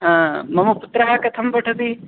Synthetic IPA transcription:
mɐmɐput̪ɾɐɦɐkɐt̪ʰɐmpɐʈʰɐd̪i

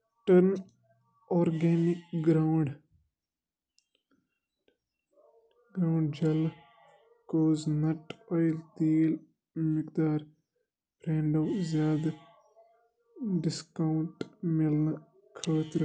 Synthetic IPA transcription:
ʈəɾn | ɔːɾɡeːnɪkɡɾawɳɖ | ɡɾaʊɳɖd͡ʒɐl | koːznɐʈɔːjlt̪iːl | mɪkd̪aːɾ | bɾeːɳɖɐwzjaːd̪ | ɖɪskawɳʈmiln | kʰoːt̪ɾ

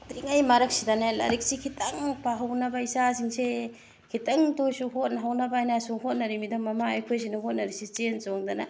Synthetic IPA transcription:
tɾiŋajmaɾɐk̚sidanajlɐ̰ɾik̚sikʰitɐŋpaɦawnɐbaisasiŋse | kʰitɐŋtojsuɦot̚nɦawnɐbaajnasuhot̚nɐɾimidɐmɐmaɐjkʰojs̬inuɦot̚nɐɾisit͡ʃensoŋdanɐ

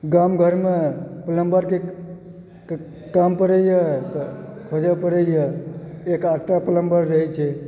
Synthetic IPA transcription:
ɡamɡʱəɾmepələmbəɾke | kampəɾəjə | kʰod͡ʒəpəɾəjjəekaʈːapələmbəɾːəɦɛt͡ʃʰɛ

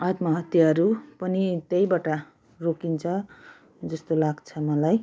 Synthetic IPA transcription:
at̪mʌɦʌt̪jaɾupʌnit̪ejbaʈa | rokint͡sʰʌ | d͡zʌst̪olaɡt͡sʰʌmʌlaj

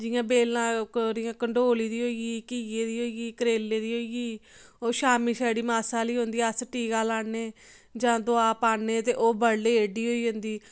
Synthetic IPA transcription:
d͡ʒɪjãːbeːlãːɾɪjãːkəɳɖoːliːd̪iːɦoːiɡiːkiːjeːd̪iːɦoːiɡiːkəɾeːlːeːd̪iːɦoːiɡiːoːʃaːmiːsaːɽiːmaːsãːliːɦõnd̪iːəsʈiːɡaːlaːneː | d͡ʒãːd̪ʊaːpaːneːt̪eːʔoːbəɽːeːeːɖiːɦoːiːɦõnd̪iː

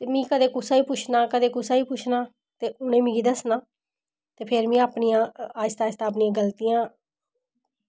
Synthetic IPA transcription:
t̪eːmĩːkəd̪eːkʊsaːiːpʊt͡ʃʰnaːkəd̪eːkʊsaːiːpʊt͡ʃʰnaː | t̪eːʊnẽːmĩːɡiːd̪əsnaː | t̪eːpʰɪɾmĩːaːpnijãːaːɪst̪aːɪst̪aːp̬nijãːɡəlt̪ijãː

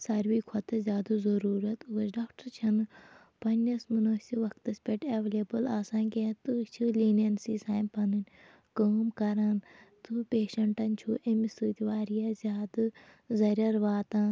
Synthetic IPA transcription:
sɐɾʋiːkʰɐt̪ɨzʲaːd̪uzɐɾuːɾɐt̪uɐsɖaːkʈɐɾt͡ʃʰɐn | pɐnʲːɐsminoːsʲiʋɐkt̪ɐsʲpʲeʈeʋeleːbɨlaːsaːnʲkʲet̪ut͡ʃʰɨliːnɐnsiːsaːjmpʰɐnɨnʲ | koːmkɐɾaːnt̪upeːʃɐɳʈɐnt͡ʃʰuːʔemisuːt̪ʲiʋaːɾijaːzʲjaːd̪ɨ | zɐɾʲɐɾʋaːt̪ãː

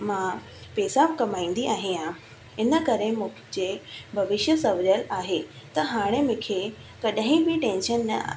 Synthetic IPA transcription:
mã | peːsakɐmaːĩːn̆d̪iaːɦẽã | ɪnə̆kɐɾẽmʊ̃ːkd͡ʑeːbʱɐʋɪʃjəsɐʋɾjəlaːɦeː | t̪ɐɦaːɽ̃emʊ̃kʰe | kɐɗəɦĩbɪʈẽːnʃənːɐ̰

